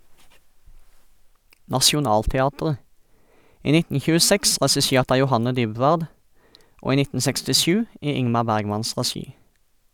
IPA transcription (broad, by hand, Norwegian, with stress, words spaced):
nɑʃʊˈnɑːltɛˌɑːtʁə ˈiː ˈnɪtn̩ çʉəˈsɛks ʁɛsɪˈʃeːʁt ˈɑː jʊˈhɑnə ˈdʏˌbʋɑːd ˈoː ˈiː ˈnɪtn̩ sɛkstɪˈʃʉː ˈiː ˈɪŋmɑ ˈbæʁɡˌmɑns ʁɛˈʃiː